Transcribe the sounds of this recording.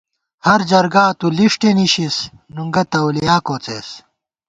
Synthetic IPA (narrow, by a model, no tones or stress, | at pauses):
hɐɾd͡ʑɐɾɡaːt̪uliʂʈeniɕis | nuŋɡɐt̪ɐwlijaːkoːt͡sḛːs